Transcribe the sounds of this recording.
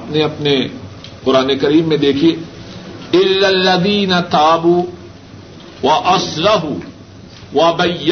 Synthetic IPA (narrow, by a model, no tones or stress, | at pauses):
pneɐpne | qʊɾaːnekɐɾiːmːẽd̪eːkʰie | ɪlːalːɐðiːnat̪aːbuː | wɐʔɐsɾɑɦuː | wɐbɐjː